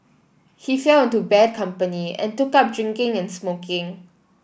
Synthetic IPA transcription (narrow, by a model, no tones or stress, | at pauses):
hifɛlɪ̃ntubɛd̚kʰãmpəniɛ̰̃ntʊkap̚dɹɪ̃ŋkɪ̃ŋɛ̃nsmokʰɪ̃ŋ